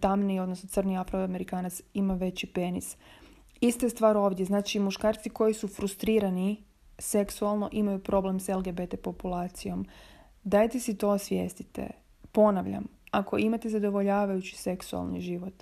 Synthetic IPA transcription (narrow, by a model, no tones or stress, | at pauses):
t̪amnio̞d̪nosnosr̩niafɾoame̞ɾikaːnat̪simaʋe̞t͡ɕipe̞nis | ist̪est̪ʋaːɾo̞ːʋd̪ʲjeznaːt͡ʃimuʃkaːɾt̪siko̞jisufɾust̪ɾiːɾani | se̞ksualˠno̞ʔimajupɾo̞ble̞mselɡe̞bet̪e̞po̞pulˠaːt̪sijo̞m | d̪ajt̪esit̪o̞sʋjḛːst̪it̪ḛ | po̞naʋʎa̰makʰo̞̰imat̪ezad̪o̞ʋo̞ʎaːʋajut͡ɕi̥se̞ksua̰lˠnḭʒiʋo̞t̪